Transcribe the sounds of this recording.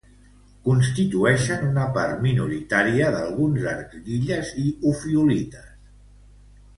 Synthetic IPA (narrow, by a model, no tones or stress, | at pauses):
kunst̪it̪uɛʃənunəpaɾminuɾit̪aɾiəðəlˠɣunza̰ɾkɣiʎəziufiulit̪əs